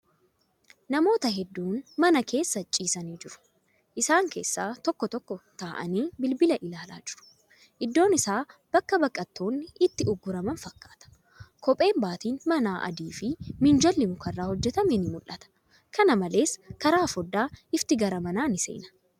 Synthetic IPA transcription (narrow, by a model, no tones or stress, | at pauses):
nɐmo̞ːt̪ɐɦɛd̪ːuːnmɐnɐke̞ːsːɐt͡ʃʼːiːsɐniːd͡ʒɪɾʊ̥ | ʔɪsaːŋke̞̰ːsːaːt̪ɔkːɔt̪ɔkːɔt̪aːʔɐ̰niːbɪlbɪlɐʔɪlaːla̰ːd͡ʒɪɾʊ̥ | ʔɪd̪ːo̞ːnɪsaːb̥ɐkːɐbɐkʼːɐt̪ːo̞ːnːɪʔɪt̪ːɪʊɡːʊɾɐmɐnfɐkːḁːt̪ɐ̥ | kɔpʼe̞ːmbaːt̪iːnmɐnaːʔɐ̰d̪iːfɪmɪnd͡ʒɐlːɪmʊkɐrːaːhɔd͡ʒːɛt̪ɐmɛnɪmʊlʔɐt̪ɐ̥ | kɐnɐmɐle̞ːskɐɾaːfɔd̪ːaːɪft̪ɪɡɐɾɐmɐnaːnɪsḛːnɐ̥